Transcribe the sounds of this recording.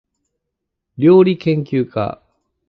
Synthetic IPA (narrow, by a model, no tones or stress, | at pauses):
ɾʲo̞ːɾʲikẽ̞ŋkʲɨːka̰